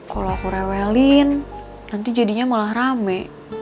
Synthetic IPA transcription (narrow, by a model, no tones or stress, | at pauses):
kaloakuɾawɛlinː | ant̪id͡ʒadiɲamalahramɛ